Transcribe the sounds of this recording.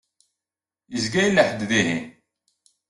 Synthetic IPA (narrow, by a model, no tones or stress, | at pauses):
jəzɡæjlːəħəd̪ðihḭn